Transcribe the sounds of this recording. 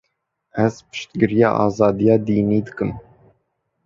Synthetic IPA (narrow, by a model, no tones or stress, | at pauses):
æz̥pɨ̥ʃt̪ɡɨɾijɑ̰ːʔɑːzɑːd̪ijɑːd̪iːniːd̪ɨkɨm